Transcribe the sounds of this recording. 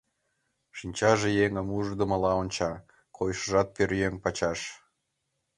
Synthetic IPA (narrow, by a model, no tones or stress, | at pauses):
ʃinʲt͡ɕɑʒejeŋəmuʒd̪ə̆mə̆lɑonʲt͡ɕɑ | kʰojʃəʒɑt̪̚pørjeŋpɑt͡ɕɑʃ